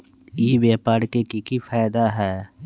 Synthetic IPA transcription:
jeʋeːpaːɽkekikifʰaːd̪aɦɛː

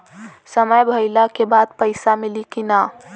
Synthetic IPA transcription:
səməjbʱəɪlakebad̪̚pəɪsamilikina

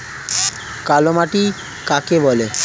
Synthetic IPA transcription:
kalomaʈi | kakebɔle

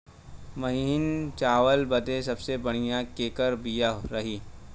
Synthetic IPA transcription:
mɐɦiɪnt͡ʃaːʋəlbɐd̪esɐbsebɐɽ̃ijãkeːkəɾbijaɾɐɦiː

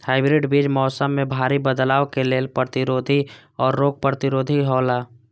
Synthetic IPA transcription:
haːɪbɾɪɖbiːd͡ʒmɔːsəmːẽbʱaːɾibəd̪laːokeleːlpɾət̪ɪɾoːd̪ʱiɔːɾːoːɡ̚pɾət̪ɪɾoːd̪ʱiɦoːlaː

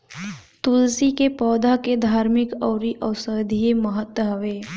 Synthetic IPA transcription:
t̪ulsikepɔːd̪ʱaked̪ʱaːɾmɪkɔːɾiʔəːsəd̪ʱieməɦət̪wəɦʋeː

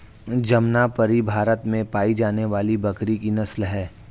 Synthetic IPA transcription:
d͡ʒɐmnapɐɾibʱaːɾət̪mẽpaːid͡ʒaːneʋaːlibɐkɾikinɐslɦɛː

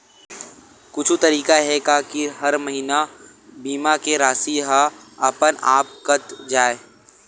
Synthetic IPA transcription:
kʊt͡ʃʰut̪ɐɾiːkaɦɛkaːkiɦɐɾmɐɦina | biːmakeɾaːsiɦaɐpəna̰ːpkət̪d͡ʒaːeː

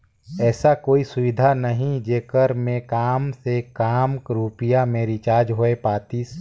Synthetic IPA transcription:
ɛːsakoːisʊʋɪd̪ʱanəɦĩd͡ʒeːkəɾmẽkaːmsekaːmkɾuːpɪjamẽɾɪt͡ʃaːd͡ʒɦoepaːt̪is

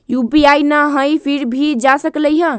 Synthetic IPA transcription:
jubiajnaɦəjpʰiɾbʱid͡ʒasəkləjɦə̃

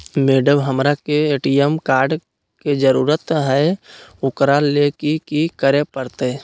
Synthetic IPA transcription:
meːɖəbɦəmɾakeeːʈijəmkaːɾɖ | ked͡ʒəɾuːɾət̪ɦɛʊkɾalekikikəɾepəɾt̪e

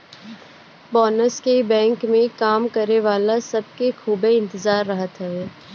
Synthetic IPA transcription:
bɔːnəskebɛ̃ːŋkmẽkaːmkɐɾeʋaːlasɐb̚kexuːbeɪ̃nt̪ɪzaːɾːɐɦət̪ɦɛː

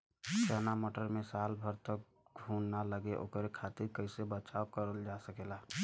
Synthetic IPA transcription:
ʃənamoːʈəɾmẽsaːlbʱəɾt̪ək̚ | ɡʱunːaləɡeʔo̰ːkəɾekʰat̪iɾkəɪsebət͡ʃaːokəɾəld͡ʒasəkela

